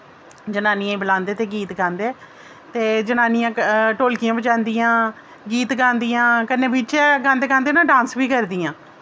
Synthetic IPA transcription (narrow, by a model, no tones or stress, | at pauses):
d͡ʒənaːniãːbəlãːnd̪eːt̪eːɡiːt̪ɡãːnd̪eː | t̪eːd͡ʒənaːnɪjãːʈoːlkɪjãːbət͡ʃãːnd̪ijãː | ɡiːt̪ɡãːnd̪ijãːkənẽːbɪt͡ʃɛːɡãːnd̪eːɡãːnd̪eːnãːɖãːnsʋiːkəɾd̪iːãː